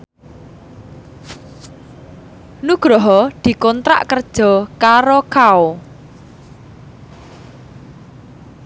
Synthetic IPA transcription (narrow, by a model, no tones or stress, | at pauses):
nuɡ̥ɾɔɦɔd̪̥i̤kɔnt̪ɾa̰ʔkərd̥ʒ̥ɔ̤kaɾokao